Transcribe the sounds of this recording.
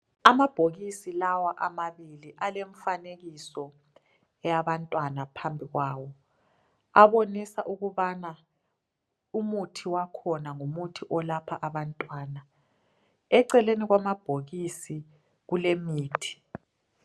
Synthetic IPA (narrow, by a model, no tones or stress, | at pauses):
amab̥ʱoɣisilawaʔamaβiliʔaleɱfaneɣisɔ | jaβantʼwanapʰambʱiɣwaːwɔ | aβonisaʔuɣuβana | umutʰiwakʰɔnaŋumutʰiʔɔlapʰaʔaβantʼwaːna | ɛǀɛleniɣwamab̥ʱoɣisi | ɣulemiːtʰi̥